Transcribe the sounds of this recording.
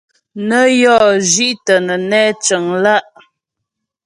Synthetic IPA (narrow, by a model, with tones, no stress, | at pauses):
nə˦jɔ˦˨ʒi˦ʔtə˨nə˨nɛː˦t͡ʃə˨ŋla˦ʔ